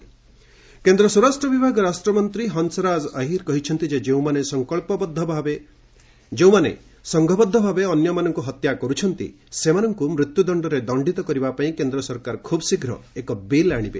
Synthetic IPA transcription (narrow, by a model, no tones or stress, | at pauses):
kend̪ɾɔsɔɾasʈɾɔbibʱaɡɔɾasʈɾɔmɔnt̪ɾiɦɔnsɔɾad͡ʒaɦiɾkɔɦit͡ʃʰɔnt̪id͡ʒed͡ʒeũmanesɔŋkɔɭpɔbɔd̪ʱːɔbʱbe | d͡ʒew̃manḛ | sɔŋɡʱɔbɔd̪ʱːɔbʱabeɔnjɔmanɔŋkuɦɔt̪jakɔɾut͡ʃʰɔnt̪ḭ | semanɔŋkumɾut̪jud̪ɔɳɖɔɾed̪ɔɳɖit̪ɔkɔɾibapaĩkend̪ɾɔsɔɾkaɾkʰubsiɡʱɾɔ̰ekɔbilaɽ̃ibḛ